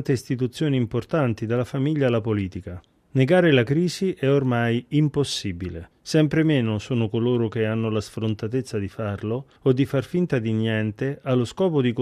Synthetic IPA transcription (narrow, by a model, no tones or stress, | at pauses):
nt̪eist̪it̪ut̪sːjoːniːmport̪ant̪id̪alafamiʎːalapoliːt̪ika | neɡaːɾɪlakɾiːziʔɛormajimposːibilḛ | sɛmpɾɪmɛːnʊsuːnʊkoloːɾʊk̟eanːʊlasfɾʊnt̪at̪et̪sːad̪ifarlo | od̪ːifarfint̪ad̪injɛnt̪ɪʔalːʊskɔːpod̪ik